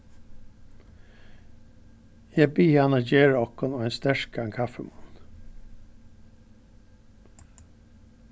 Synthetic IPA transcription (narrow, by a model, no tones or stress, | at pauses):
jæbiːɑnɑɟeːɹəɔkɔnoːɛːnst̪æɹk̚ɡɑŋkʰɑfəmɑn